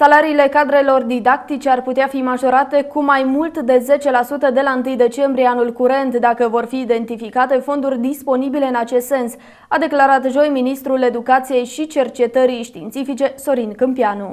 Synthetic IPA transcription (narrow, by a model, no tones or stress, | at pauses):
salaɾiːle̞kad̪ɾe̞lo̞rd̪id̪ak̚t̪it͡ʃe̞arput̪eafimaʒo̞ɾat̪e̞kumajmult̪d̪e̞ze̞t͡ʃe̞lasut̪əd̪e̞laɨnt̪ɨjd̪e̞t͡ʃe̞mbɾieanulkuɾe̞nt̪d̪akəvo̞rfiːd̪e̞nt̪ifikat̪e̞fo̞nd̪urʲd̪ispo̞nibile̞ɨnat͡ʃe̞st̪se̞ns | ad̪e̞klaɾat̪ʒo̞jminist̪ɾule̞d̪ukat̪sije̞jʃit͡ʃe̞rt͡ʃe̞t̪əɾijʃt̪ḭːnt̪sifit͡ʃe̞so̞ɾinkɨmpianu